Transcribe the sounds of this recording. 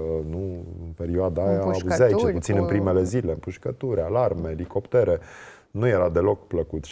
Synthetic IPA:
nuɨnpe̞ɾioad̪aajaːbuzaait͡ʃelput̪sinɨnpɾime̞le̞zile̞mpuʃkət̪uɾalarme̞liko̞pt̪eɾe̞ | nuje̞ɾad̪e̞lo̞kpləkut̪

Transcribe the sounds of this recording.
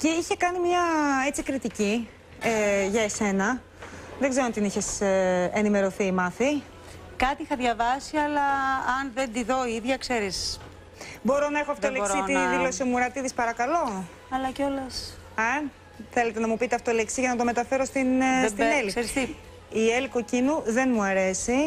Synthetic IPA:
ce̞içe̞kɐnimɲɐe̞t͡sikɾit̪ici | eʝɐese̞nɐ | ðe̞ɡze̞ɾoɐnt̪iniçe̞senime̞ɾo̞θiːmɐθi | kɐt̪ixɐðʝɐvɐsiɐlɐɐnðend̪iðo̞iðʝɐkseɾis | bo̞ɾo̞nɐexoɐft̪olesɾiiðilo̞sio̞muɾɐt̪iðispɐɾɐkɐlo̞ | ɐlɐcolɐsɐn | θe̞le̞t̪e̞nɐmupit̪eɐft̪oleksiʝɐnɐt̪o̞me̞t̪ɐfe̞ɾo̞st̪inst̪inneliɾisi | ieliko̞cinuðe̞nmuɐɾe̞si

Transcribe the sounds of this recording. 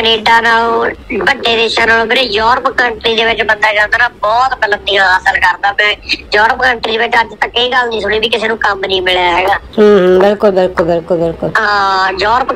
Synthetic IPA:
kəneːɖaːnaːlobəɖːeːd̪eːʃãːnaːlõːbɪɾejɔːɾəpkəɳʈɾiːd̪eːʋɪt͡ʃbənd̪aːd͡ʒãːnd̪aːnaːbɔːt̪ɡələt̪d̪ijãːəsəlkəɾd̪aːmɛ̃ːjɔːɾəpkəɳʈɾiːeːʋɪt͡ʃɦəɾd͡ʒt̪ə̃kːəiːɡəlnĩːsʊɽ̃iːbiːkɪseːnũːkəmnĩːmɪɭjaːɦeːɡaːɦːɦbɪlkʊlbɪlkʊlbɪlkʊlbɪlkʊlɦãːjɔːɾəp

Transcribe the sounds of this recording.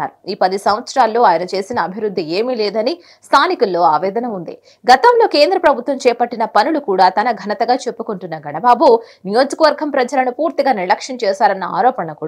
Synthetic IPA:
a̰ːɾuiːpɐd̪isɐmʋɐt̪sɾaːlːo̞ːaːjɐnɐt͡ʃe̞ːsinɐːbʱiʋɾud̪ʱːie̞ːmileːd̪ɐni | st̪ʰaːnikulːo̞ːaːʋɛːd̪ɐnɐund̪ḭ | ɡɐt̪ɐmlo̞ːke̞ːnd̪ɾɐpɾɐbʱut̪ʋɐmt͡ʃɛːpɐʈːinɐpɐnulukuːɽaːt̪ɐnɐɡʱɐnɐt̪ɐɡaːt͡ʃe̞pːukuɳʈunːɐɡʱɐɳɐbaːbunijo̞ːd͡ʒɐkɐʋɐɾɡʱɐmpɾɐd͡ʒɐlɐnupuːɾt̪iɡaːniɾlɐkʂɐnt͡ʃɛːsaːɾɐnːɐa̰ːɾɔːpɐɳɐkuː

